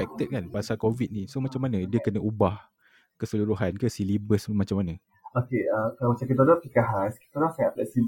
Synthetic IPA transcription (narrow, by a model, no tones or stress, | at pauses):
fɛk̚t̪ət̪̚kanbaasakovit̪̚nĩsomat͡ʃamːanə̃diəkənaʔubah | kəsəluɾuɦankəsilibəsmat͡ʃamːanə̃ | okeəkawat͡ʃakit̪əlapikaɦaski̥t̪əlasaap̚lasi